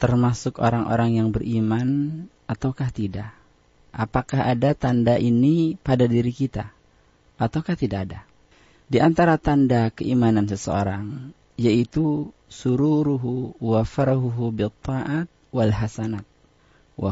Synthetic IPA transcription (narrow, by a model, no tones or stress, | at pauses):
t̪ərmasʊkoɾaŋʔo̰ɾaŋjaŋbərʔiman | at̪awkaht̪idaʔ | a̰pakaɦadat̪andaʔinipadadiɾikit̪a | at̪awkaht̪idakada | diant̪aɾat̪andakəʔimanansəsəoɾaŋ | jait̪usuɾuɾuɦuwafaɾaɦuɦubit̪ːɑʔat̪̚walɦasanat̪̚ | wa